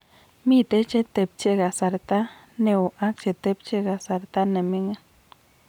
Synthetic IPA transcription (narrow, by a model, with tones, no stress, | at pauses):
mi˦t̪e˦t͡ʃe˦t̪e˧˨p̚t͡ʃe˦ɡa˨sa˨ɾt̪a˦ | ne˧u˨ʔa˦k̚t͡ʃe˨t̪e˦p̚t͡ʃe˦ɡa˨sa˨ɾt̪a˦ne˨mi˦ŋe˦n